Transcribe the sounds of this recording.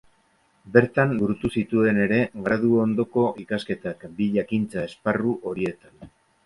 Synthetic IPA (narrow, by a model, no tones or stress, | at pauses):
be̞ɾt̪anbuɾut̪usit̪ue̞ne̞ɾe̞ɡɾaðuo̞nd̪o̞ko̞ʔikaske̞t̪akbiʎakint͡sae̞sparuʔo̞ɾie̞t̪an